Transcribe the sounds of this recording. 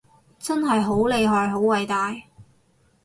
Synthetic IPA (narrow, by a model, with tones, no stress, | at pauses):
t͡sɐ˥nɦɐ˨jɦo˨˥wle˧jɦɔː˨˩jɦo˨˥wwɐ˨jt̪aː˨˧j